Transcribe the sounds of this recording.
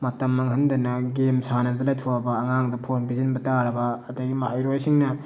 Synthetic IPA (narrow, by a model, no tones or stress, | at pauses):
mɐtɐmːɐŋɦɐndɐnɐɡemsanɐdɐlajtʰoabɐːŋaŋdɐpʰonbizinbɐtaɾɐbɐːdɐɡimaʔjɾojsiŋnɐ